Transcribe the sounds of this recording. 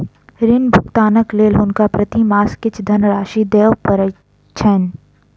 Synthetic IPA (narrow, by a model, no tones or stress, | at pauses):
ɾɪnbʱʊkt̪aːnəkleːlɦʊnkapɾɐt̪imaːskɪt͡ʃʰd̪ʱɐnɾaːʃid̪eːʋpəɾə | t͡ʃʰɛn